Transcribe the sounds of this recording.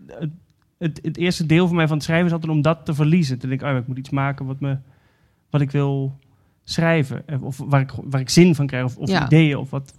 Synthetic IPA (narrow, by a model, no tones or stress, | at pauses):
ə | ətətɪərstədɪːlˠfɔnmɛjfɔnətsχrɛjvənɪsɔlˠtɛtɔmdɔtːəvərlizəntədɪŋkəojaɪk̚mutitsmaːkəʋɔtmə | ʋɔtɪkʋɪlˠ | srɛjvə̰ɔfʋarɪkʋaːrɪksɪnfɔnkrɛjɔfɔfḭdeːəɔ̰fʋɔt